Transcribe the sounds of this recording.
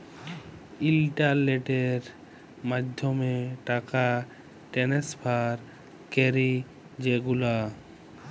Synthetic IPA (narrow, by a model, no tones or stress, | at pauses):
ilʈaleʈeɾ | mad̪ʱomeʈaka | ʈenesbʰʱaɾ | keɾi | d͡ʑeɡula